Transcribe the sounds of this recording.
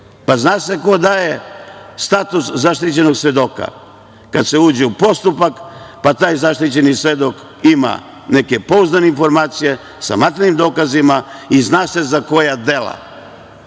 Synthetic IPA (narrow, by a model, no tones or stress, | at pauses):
paznaːseko̞d̪aje̞st̪aːt̪uszaʃt̪it͡ɕe̞no̞ɡsʋe̞d̪o̞ːka̰ | kad̪se̞uːd͡ʑeupo̞st̪upakpat̪aːjzaʃt̪it͡ɕe̞nisʋe̞d̪ok | ima̰ | ne̞ke̞po̞uznaneinfo̞ɾmaːt̪sije | sa̰mat̪ɾenimd̪o̞ːkazimaiznaːse̞zako̞jad̪e̞lˠa̰